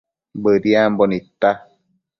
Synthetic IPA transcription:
bɨɾiambonit̪a

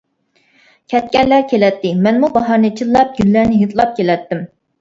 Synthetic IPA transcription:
kʲʰɛt̪̚kʲɛnlæɾkʲʰelɛt̪ːɪmɛnmubɑɦɑɾnɨt͡ʃʰilˠːɑp̚ɡʲylːæɾnɪjɨt̪ʰlˠɑp̚kʲelɛt̪ːɪm

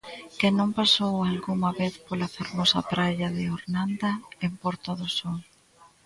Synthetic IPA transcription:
kɪnõmpasowalɡumɐβeθpolafaɾmɔsɐ̰pɾajaðɪoɾnand̪aempɔɾt̪oðoso

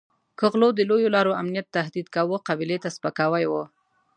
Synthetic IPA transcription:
kəɣlod̪əlojolɑɾoa̰mnijat̪ːahd̪id̪kawoqabilet̪aspəkɑwajwə

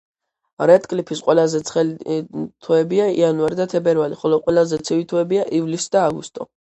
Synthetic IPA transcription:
ɾɛt̪ʰʼkʼlipʰisqʼwɛlazɛt̪sʰχɛ | t̪ʰɔɛbiaḭanuaɾid̪at̪ʰɛbɛɾvaliχɔlɔqʼwɛlazɛt̪sʰivit̪ʰɔɛbiaʔivlisd̪aːɡust̪ʼɔ̰

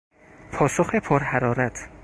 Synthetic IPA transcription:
pʰɒːsoxepʰoɾhæɾɒːɾæt̪ʰ

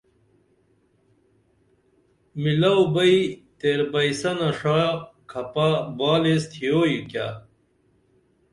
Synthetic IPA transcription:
milawbɐit̪eːɾbɐjsɐnɐʂakʰɐpabaːlest̪ʰijoːjika̰

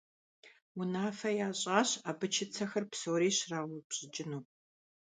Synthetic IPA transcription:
wʊnaːfɐjaːɕʼaːɕaːbɨt͡ʃʰɪt͡sʰɐxɐrpsowɾiːɕraːwpɕʼɪd͡ʒʼɪnuːp̚ʼ

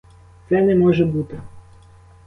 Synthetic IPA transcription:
t̪sɛnɛmɔʒɛbut̪ɪ

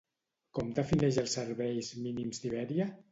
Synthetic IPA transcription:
kɔmt̪əfinɛʒəlˠsːəɾβɛjzminimzd̪iβ̞ɛɾia

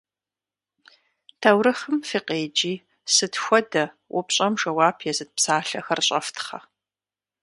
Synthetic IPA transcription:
tʰɐwɾɨχəmfiqʼeːd͡ʒiː | sɨtxʷɔdɐ | wʔʊpɕʼɐmʒɐwaːpʰjɛzɨd̚psaːɬɐxɐrɕʼɐftʰχɐ̰

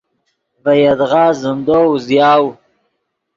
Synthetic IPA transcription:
vajad̪ʁɑːzənd̪owzjɑːw

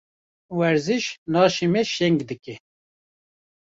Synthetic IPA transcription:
wɛɾzɨʃnɑːʃemɛʃɛŋɡd̪ɨkɛ

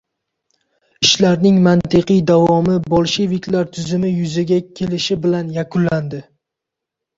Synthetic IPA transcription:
ɪʃlaɾnɪŋmant̪ʰɨqɨjd̪avɒmɪbɒlˠʃevɪkʲlaɾt̪ʰʊzɪmɪjʊzaɡʲakʲʰe̞lɪʃɪbɪlanjakʰʊnlːand̪ɪ

